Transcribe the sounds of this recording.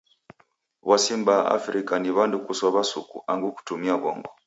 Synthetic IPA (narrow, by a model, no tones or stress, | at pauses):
wasimbaa̰fɾikaniβandukuswaβasukṵʔaŋɡuku̥tumiaβɔŋɡɔ